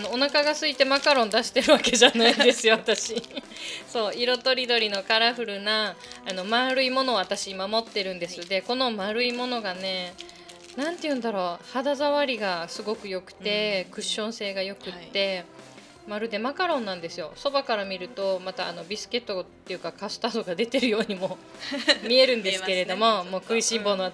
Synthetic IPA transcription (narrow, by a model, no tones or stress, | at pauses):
ano̞onakaɡasɨit̪e̞makaɾõ̞nd̪aɕi̥t̪e̞ɾɯ̟βakeʑanaind̪e̞sɨjo̞βat̪aɕi | so̞ːiɾo̞t̪o̞ɾʲid̪o̞ɾʲino̞kaɾaɸɯ̟ɾɯ̟naːno̞maɾɯ̟imo̞no̞βat̪aɕiɲmamo̞t̪ːe̞ɾɯ̟̃nd̪e̞sɨd̪e̞ko̞no̞maɾɯ̟imo̞no̞ɡane̞ | nãnt̪ejɯ̟̃nd̪aɾo̞had̪azaβaɾʲiɡasɨɡo̞kɯ̟jo̞kɯ̟̥t̪e̞kɯ̟ɕːõ̞ɰ̃se̞ːɡajo̞kɯ̟t̪ːe̞ | maɾɯ̟d̪e̞makaɾõ̞nːãnd̪e̞sɨjo̞̰so̞bakaɾamʲiɾɯ̟t̪o̞mat̪a̰ːno̞bʲisɨ̥ke̞t̪ːot̪ːe̞jɯ̟ːkakasɨ̥t̪aːd̪oɡad̪e̞t̪e̞ɾɯ̟jo̞ːɲ̟imo̞ | mʲie̞ɾɯ̟̃nd̪eɨke̞ɾe̞d̪o̞mo̞mo̞ːkɯ̟iɕĩmbo̞no